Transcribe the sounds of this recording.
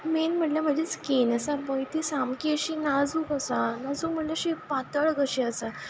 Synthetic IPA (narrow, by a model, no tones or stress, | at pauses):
menm̤əʈlam̤əd͡ʑet͡skenəsabəjt̪iːsamkiəɕinad͡zuːkəsanad͡zuːkm̤əɳʈleəɕipat̪əɭɡʱəɕiəsa